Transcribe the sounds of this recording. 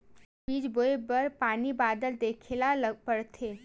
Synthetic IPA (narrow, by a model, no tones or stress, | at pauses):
piːd͡ʒboebəɾpaːnibaːd̪əld̪eːkʰelapəɽt̪ʰeː